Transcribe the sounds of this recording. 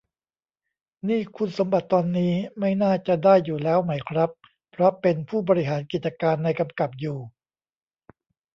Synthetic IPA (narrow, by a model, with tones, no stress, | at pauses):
niː˥˩kʰu˧nso˩˦mba˨˩t̪ːɔː˧nːiː˦˥ma˥˩jnaː˥˩t͡ɕa˨˩daː˥˩jːuː˨˩lɛː˦˥wma˦˥jkʰɾa˦˥pːʰ | ɾɔ˦˥pe˧npʰuː˥˩bɔː˧ɾi˦˥ɦaː˩˦nki˨˩t̪̚t͡ɕa˧kaː˧nːa˧jka˧mka˨˩p̚juː˨˩